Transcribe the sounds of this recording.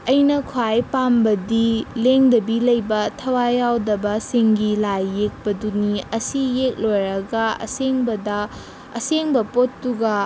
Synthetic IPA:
ɐjnɐkʰwajpambɐdileŋdɐbilɐjbɐtʰɐwajawdɐbɐsiŋɡilajːek̚pɐduniɐsijek̚lojɾɐɡɐɐ̰seŋbɐdɐ | ɐseŋbɐpotːuɡɐ

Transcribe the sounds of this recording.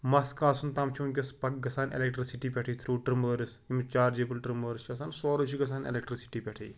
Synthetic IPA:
mɐskaːsunt̪ɐmt͡ʃʰuːnk̬ʲɐspɐk̚ɡɐsaːnḛlek̚ʈɾisiʈiːpʲɛʈʰiːt̪ʰɾuːʈɾiməːɾisimt͡ʃaːɾd͡ʒeːpɨlʈɾiməːɾist͡ʃʰɐsaːnsoːɾɐt͡ʃʰiɡɐsaːnḛlek̚ʈɾisi̥ʈiːpʲɛʈʰḭː

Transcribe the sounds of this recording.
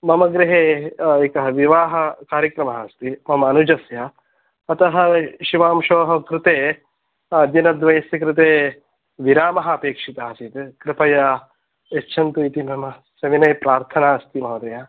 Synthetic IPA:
mɐmɐɡɾɪɦeːekɐɦɐʋiʋaːɦɐkaːɾjɐkɾɐmɐɦɐst̪imɐmɐɐnud͡ʒɐsjɐ | ɐt̪ɐɦɐ̆ʃiʋaːmʃoːɦɐkɾɪt̪eː | ɐd̪jɐnɐd̪ʋɐjɐsjɐkɾɪt̪eː | ʋiɾaːmɐɦɐɐpeːkʂit̪aːt͡ʃit̪kɾɪpɐja | etːʃʰɐnt̪uit̪imɐmɐsɐʋinɐjpɾaːɾt̪ʰɐnaːɐst̪imɐʋɐd̪ɐjaː

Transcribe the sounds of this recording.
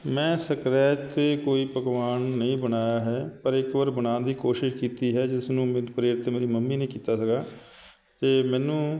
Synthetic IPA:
mɛ̃ːsəkɾɛːt̪eːkoːiːpəkʋaːnːəĩːbənaːjaːɦɛːpəɾɪkʋəɾbənãːnd̪iːkoːʃɪʃkiːt̪iːɦɛːd͡ʒɪsnũːpəɾeɾɪt̪meːɾiːməmːiːnẽĩːkiːt̪aːsəɡaː | t̪eːmɛ̃ːnũː

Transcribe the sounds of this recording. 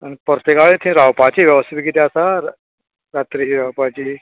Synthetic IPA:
anipəɾt̪ekaɭet̪ʰĩɾawpat͡ɕiʋjəʋəst̪biɡit̪easa | ɾat̪ɾiɦiɾawpat͡ɕiː

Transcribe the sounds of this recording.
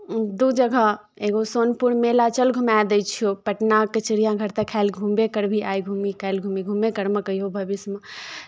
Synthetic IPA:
d̪ud͡ʒəɡʱə | eɡosonpuɾnmelat͡ʃəlɡʱumad̪əjt͡ʃʰijopəʈnakət͡ʃɾijãɡʱəɾt̪əkʰalɡʱumbekəɾbʱiajɡʱumikʰalɡʱumiɡʱumekəɾməkəiobʱəbisme

